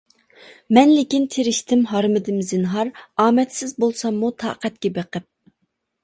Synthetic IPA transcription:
mɛnlɪkʲint̪ʰeɾɪʃt̪ʰɪmɦɑɾmɪd̪ɪmzɪnɦɑɾɑːmɛt̪sɪzbolˠsɑmːut̪ʰɑ̰ːqɛt̪kʲɛbeqəp̚

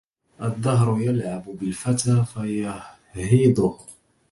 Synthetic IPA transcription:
ʔad̪ˤːɑɦɾʊjalʕabʊbɪlfat̪aːfaja | hiːd̪ˤʊh

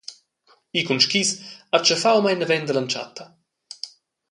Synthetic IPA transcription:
ikunʃkisat͡ʃəfawmajnəvɛnd̪əlant͡ʃa̰t̪ːɐ

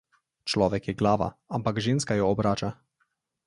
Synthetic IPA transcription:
t͡ʃlɔːʋɛkjɛɡlaːʋa̰ampaɡʒinskajɔːbɾaːt͡ʃa

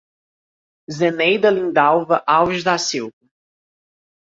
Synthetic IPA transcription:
zenejd̪ɐlĩnd̪awvɐʔawviʃd̪asiwvɐ

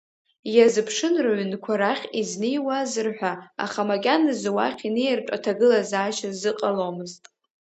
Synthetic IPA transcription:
jazɨpʰʂɨnraɥnkʷʰaɾaχʲiznejwazɨrħʷᶣaa̰χamakʲʼanɨzwa̰χʲinejrʈ͡ʂʷʼatʰaɡɨlazaːʃazɨqʼalomɨztʼ

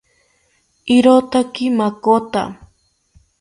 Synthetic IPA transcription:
ɪɾot̪akɪmakot̪a̰

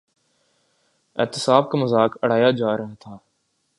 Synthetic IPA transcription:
ɪ̰ːt̪ɪsaːb̚kaməzaːkəɽ̤aːjad͡ʒaːɾɐɦat̪ʰaː

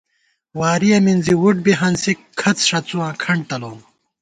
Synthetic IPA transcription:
waːɾiɐminziwuʈ̚biɦɐnsikʰɐt͡sʂɐt͡suãːkʰɐɳɖ̚ʈ̪ɐloːm

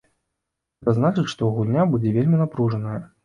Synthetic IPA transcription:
ɣɛt̪ɐznat͡ʂɨt͡sʲʂt̪ɔɣulʲnʲabud͡zʲɛvʲelʲmʲinapɾuʐɐnəjɐ

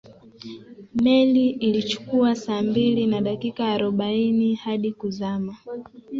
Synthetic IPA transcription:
mɛliilit͡ʃu̥kuasaːmbilinaɗakikaːɾɔɓainihaɗikuzama

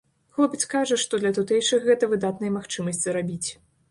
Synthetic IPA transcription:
xlˠɔpʲɐt͡sʲkaʐɐʂt̪ɔd̪lʲɐt̪ut̪ɛjʂɨxɣɛt̪ɐvɨd̪at̪̚nɐjɐmaxt͡ʂɨmɐsʲtʲt͡sʲzɾabʲit͡sʲ

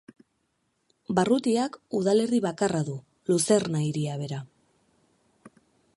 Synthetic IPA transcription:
barut̪iakuðale̞ɾðiβakaraðu | luse̞rnaiɾiaβ̞e̞ɾa

